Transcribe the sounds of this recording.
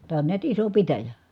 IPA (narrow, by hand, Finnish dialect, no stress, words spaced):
tæː on niæt iso pitæjæ